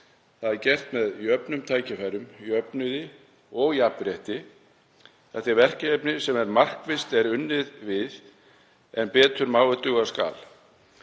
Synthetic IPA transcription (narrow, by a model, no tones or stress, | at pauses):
θaðɛɾcɛr̥t̪mɛðiœpnʏmt̪ʰaːjcɪfaɾʏmiœpnʏðɪ | ɔɣiapːɾjaht̪ɪ | θɛht̪ɪɾvɛr̥cɪɛpnɪsɛmɛɾmar̥kvɪst̪ɛɾʏnːɪðvɪð | ɛnpɛːt̪ʏɾmaːwʏt̪ʏɣaska̰ːl